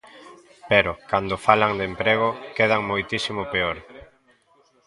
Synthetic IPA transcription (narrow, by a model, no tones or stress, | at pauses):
peɾʊkand̪ʊfalaŋd̪empɾeɣ̞ʊkeð̞aŋmojt̪isimʊpeoɾ